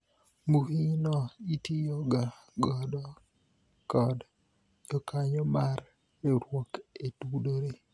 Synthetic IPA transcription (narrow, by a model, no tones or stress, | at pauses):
muhinɔitijoɡaɡɔdɔ | kɔd | d͡ʒɔkʰaɲɔmar | eɾwoketudoɾe